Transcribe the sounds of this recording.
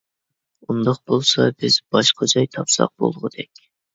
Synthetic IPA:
und̪ɑq̚bolˠsɑbɪz̥bɑʃqʰɑd͡ʒɑjt̪ʰɑpsɑ̰q̚b̥o̰lˠʁəd̪̥ɛkʲ

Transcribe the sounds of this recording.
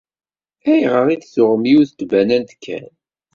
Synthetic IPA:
æjʁəʁiθsʊʁəmjiuθt̪bænænt̪kʰːæ̰n

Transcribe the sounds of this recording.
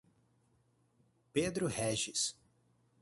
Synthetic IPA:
ped̪ɾʊhɛʒɪs

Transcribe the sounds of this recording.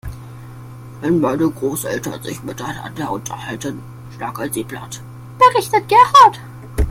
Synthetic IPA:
vaɪnbaɪdəɡʁoːsʔɛ̰ltɐ̰nzɪ̰çmɪtana̰ndeːɐʔʊntʰɐhaltən | ʃtaɐkasiːbla̰t | b̥əʁɪçtət̚ɡ̥ɛʁat

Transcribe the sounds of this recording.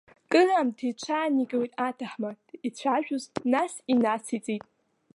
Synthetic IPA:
kʼɨramtʰejt͡ʃʷʰaːniɡʼawitʼatʰaħma | it͡ɕʷʰaʒᶣʊznasinasit͡sʼitʼ

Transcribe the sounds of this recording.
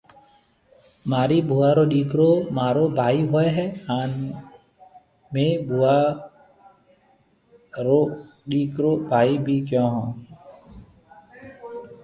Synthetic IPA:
maːɾiːbʱuːaːɾoːɗiːkɾoːmaːɾoːbʱaːiːɦoɛɦɛːaːn | mẽːbʱuːaː | ɾoːɗiːkɾoːbʱaːiːbʱiːkjɔ̃ːɦɔ̃ː

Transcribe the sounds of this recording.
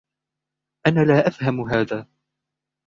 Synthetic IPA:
ʔanaːlaːʔafhamɦaːðaː

